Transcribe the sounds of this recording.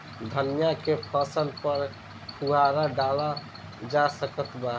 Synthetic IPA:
d̪ʱənjakepʰəsənpəɾ | pʰuɦaɾaɖala | d͡ʒasəkət̪ba

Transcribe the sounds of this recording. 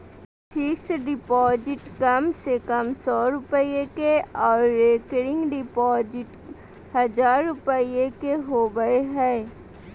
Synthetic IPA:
t͡ʃiːsɖɪpɔːd͡ʒɪʈkɐmsekɐmsɔːɾʊpəiekeɔːɾːeːkɾɪ̃ŋɡɖɪpɔːd͡ʒɪʈ | hɐd͡ʒaːɾːʊpəiekeɦoːbəeɦɛː

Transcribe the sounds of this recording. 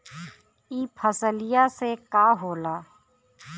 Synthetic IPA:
iːpʰəsəlɪjasekaːɦoːlaː

